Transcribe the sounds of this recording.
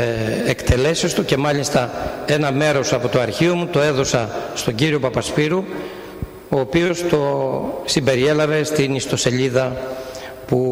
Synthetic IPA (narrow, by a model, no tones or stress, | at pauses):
ekt̪e̞le̞sest̪uce̞mɐʎist̪ɐe̞nɐme̞ɾo̞sɐpo̞t̪o̞ɐɾçio̞mut̪o̞e̞ðo̞sɐst̪o̞ɲɟiɾio̞pɐpɐspiɾu | o̞ːpio̞st̪o̞simbe̞ɾie̞lɐve̞st̪inist̪o̞se̞ʎiðɐ | pu